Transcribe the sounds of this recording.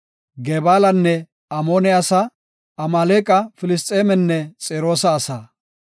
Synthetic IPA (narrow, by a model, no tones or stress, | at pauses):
ɡebaːlɐnːɛ | ɐmoːnɪaːsɐ | ɐmaːleːkʼɐfɪlɪst̪ʼeːmɛnːɛt͡sʼeːɾo̞ːsɐːsaː